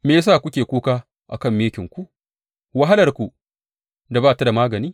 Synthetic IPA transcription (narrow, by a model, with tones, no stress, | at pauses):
meː˨js̬aː˦˨kʷʊ˦kʲeː˨kʷuː˦kaː˦ | ʔa̰˨kɐ˦˨mːeː˦kʲɪ˨ŋkʷu˦ʔ | wa˦ɦa˦lɐ˨rkʷu˨ | da˨baː˦˨ta˦da˨maː˦ɡɐ˨niː˦